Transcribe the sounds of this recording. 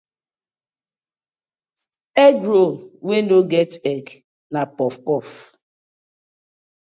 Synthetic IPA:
ɛɡɾowenoɡɛtɛɡ | napɔfpɔf

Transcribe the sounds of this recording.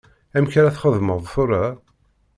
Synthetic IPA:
æmçaɾæθχəðməðˤθʊɾa

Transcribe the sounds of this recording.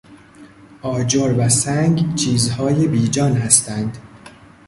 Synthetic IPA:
ʔɒːd͡ʒoɾvæsæŋɡt͡ʃʰiːzhɒːje̞biːd͡ʒɒːnɦæst̪ænd̪

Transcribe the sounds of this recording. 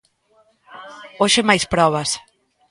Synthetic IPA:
oʃɪmajspɾɔβ̞ɐs

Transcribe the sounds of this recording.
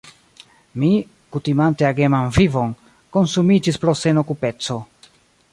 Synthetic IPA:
mi | kutimanteaɡe̞mamvivo̞n | ko̞nsumid͡ʒispɾo̞se̞no̞kupe̞t͡so̞

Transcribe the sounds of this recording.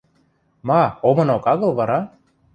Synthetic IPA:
mɑomɤ̆nokɑɣɤ̆lˠβɑɾɑ

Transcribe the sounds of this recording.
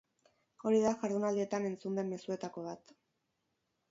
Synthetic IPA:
o̞ɾiðaʝaɾðunald̪ie̞t̪ane̞nt͡sund̪e̞mːe̞sue̞t̪ako̞β̞at̪

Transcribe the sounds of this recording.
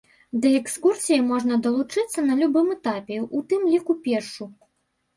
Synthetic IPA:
d̪ɐɛkskursʲijimɔʐnɐd̪ɐlˠut͡ʂɨt̪sːɐnɐlʲubɨmɛt̪apʲɛʔut̪ɨmlʲikupʲɛrʂu

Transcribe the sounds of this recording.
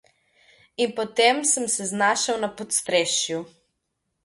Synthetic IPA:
inpɔt̪emsəmsɛznaːʃawnapɔt̪st̪ɾeːʃju

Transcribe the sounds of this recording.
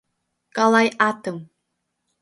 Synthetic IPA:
kalˠajat̪ɨm

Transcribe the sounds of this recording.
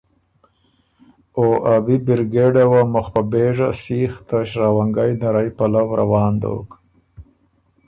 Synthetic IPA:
oʔabibɪɾɡeɖawamʊxpabeʐasiːxt̪aʃɾawaŋɡajnaɾajpalawɾa̰wɑːnd̪o̰k

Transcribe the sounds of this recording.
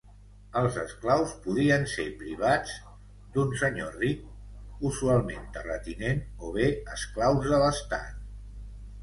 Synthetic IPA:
əlˠzəsklawspuð̞iənsepɾiβ̞ad͡z | d̪unsəɲorik̚uzualˠment̪ərət̪inenoβ̞eəsklawzðələst̪a̰t̪̚

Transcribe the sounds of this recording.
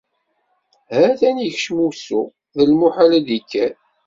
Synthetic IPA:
hæθæniçʃmusu | ðəlmuħalæd̪ikːæ

